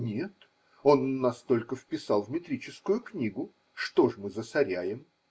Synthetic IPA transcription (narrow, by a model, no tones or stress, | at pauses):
nʲe̞t̪ | o̞nːɐst̪o̞lʲkəfpʲɪsɑlˠvmʲɪt̪ɾʲit͡ɕɪskʊjʊknʲiɡʊ | ʂt̪o̞ʐmɨzəsɐɾʲæjɪm